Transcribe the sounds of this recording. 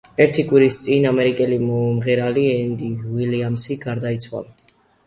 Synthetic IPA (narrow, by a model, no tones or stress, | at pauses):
ɛɾt̪ʰikʼwiɾist̪sʼinamɛɾikʼɛlimɔumʁɛɾaliɛnd̪iwiliamsiɡaɾd̪ait̪sʰwa̰l